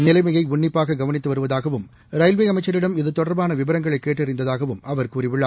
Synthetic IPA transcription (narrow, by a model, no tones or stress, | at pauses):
nɪlɐɪmɐjɐɪʊɳːɪpːaːɣɐɡɐʋɐnɪt̪ːɯʋɐɾɯʋɐðaːɣɐʋɯm | ɾɐɪlʋeːɐmɐɪt͡ʃːɐɾɪɽɐmɪðɯt̪ːɔɽɐɾbaːnɐʋɪbɐɾɐŋɡɐɭɐɪkːeːʈːɪɾɪnd̪ɐðaːɣɐʋɯmɐʋɐɾkuːrɪʋɪɭːaː